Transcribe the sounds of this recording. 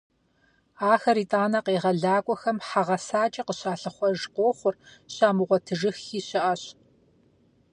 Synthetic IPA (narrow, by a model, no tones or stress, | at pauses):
aːxɐɾiːtʼaːnɐqeːʁɐɮaːkʷʼɔxɐmħaʁɐsaːt͡ʃʼɐqəɕaːɬɨχʷɔʒqʷoːχʷʊrɕaːmɨʁʷɔtʰɨʒɨxiːɕɪʔɐɕ